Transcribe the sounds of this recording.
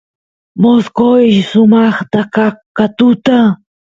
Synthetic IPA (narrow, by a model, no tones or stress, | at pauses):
moskojʃsʊmɑχt̪akakːat̪ʊt̪a